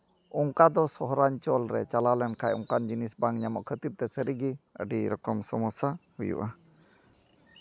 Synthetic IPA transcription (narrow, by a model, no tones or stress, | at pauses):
uŋkad̪ɔsɔɦɾaɲt͡ʃɔlɾɛ̰t͡ʃalalɛnkʰajɔ̰ŋkand͡ʒinisbaŋɲamɔ̰ʔkʰət̪ib̚t̪ɛsəɾiɡiə̰ɖiɾɔkɔmsɔmɔsahujṵʔa